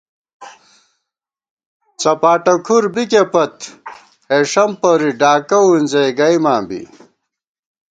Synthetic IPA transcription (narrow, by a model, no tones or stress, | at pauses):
t͡sɐpaːʈɐkʰuɾbikepɐt̪ | eʂɐmpɐɾiɖaːkɐwinzɐjɡɐjmaːmbḭ